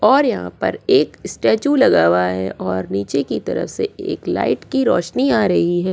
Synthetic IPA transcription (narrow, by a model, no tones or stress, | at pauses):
ɔːɾjɐɦã̰pɐ̰ɾeːkɪsʈɛːt͡ʃulɐɡaːwaɦɛʔɔːɾniːt͡ʃekit̪ɐ̰ɾə̰fsḛeːkla̰ːɪʈkiɾɔːʃniaːɾɐɦiɦɛː